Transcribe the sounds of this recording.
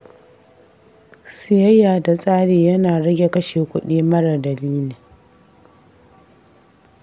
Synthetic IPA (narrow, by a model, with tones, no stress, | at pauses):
sɪ˨jɐ˦jaː˨da˨sʼaː˦ɽeː˨jɐ˦naː˨ɽɐ˦ɡʲe˨kɐ˦ʃeː˨kʷʊ˦ɗiː˦mɐ˦ɽɐ˨dɐ˨liː˦liː˨